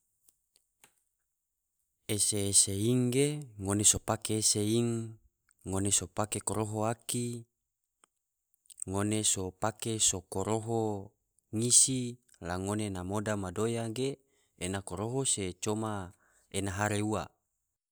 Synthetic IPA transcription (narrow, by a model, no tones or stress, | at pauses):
eseːseiŋɡeŋonesopakeːseiŋː | onesopakekoɾoɦoaki | ŋonesopakesokoɾoɦo | ŋisi | laŋonenamodamadojaɡeː | nakoɾoɦoset͡ʃoma | enaɦaɾeua